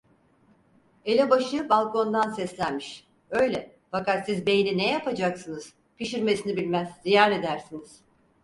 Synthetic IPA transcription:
e̞lʲɛbaʃɯbalˠko̞nd̪ansɛslʲænmiʃ | ø̞jlʲɛ | fakat̪sizbe̞jininɛjapʰad͡ʒaksɯnɯz̥ | pʰiʃiɾme̞sinibilʲmæzzijaːɾe̞d̪æɾsiniz̥

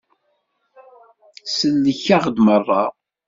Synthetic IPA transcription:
səlːəçaʁd̪mərˤːɑ

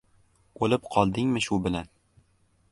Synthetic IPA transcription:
olɪpqʰɒlˠd̪ɪŋmɪʃʊbɪlan

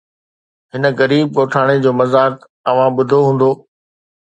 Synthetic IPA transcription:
ɦɪnə̆ɣɐɾiːb̚koːʈʰaːɽ̃ed͡ʑoːmɐzaːk | ɐʋ̤ãɓʊd̪ʱoɦũːn̆d̪oː

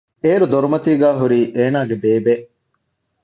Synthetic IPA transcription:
eːɾud̪oɾumɐt̪iːɡæːɦuɾiːʔeːnaːɡebeːbeʔ

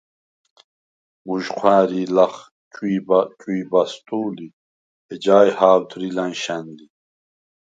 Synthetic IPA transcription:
muʑqʰwaːɾilaχ | t͡ɕuibt͡ɕuibast̪uːli | ed͡ʑaːjhaːwd̪ɾilanɕand̪i

